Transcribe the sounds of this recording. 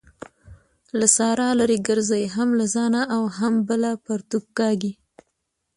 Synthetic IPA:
lasɑɾɑlaɾiɡəɾzajɦamlazɑnaʔːwɦambəlapaɾt̪uk̚ːɑɡi

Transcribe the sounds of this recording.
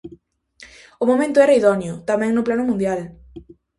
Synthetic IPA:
ʊmomẽnt̪ʊɛɾaiðɔnjʊt̪amɛ̃ŋnʊplanʊmũnd̪jal

